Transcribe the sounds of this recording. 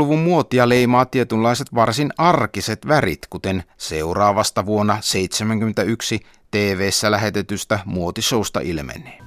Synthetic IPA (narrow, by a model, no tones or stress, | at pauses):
luʋummuot̪iɑleimɑːt̪ːiet̪ylːɑiset̪ʋɑrsinɑrkiset̪ʋærḭt̪kut̪enseurɑːʋɑst̪ɑʋuonːɑseit̪semæŋk̟yment̪æyksi | t̪eːʋeːsːælæhet̪et̪yst̪æmuot̪isoust̪ɑ̰ʔilmḛnˑe̥ː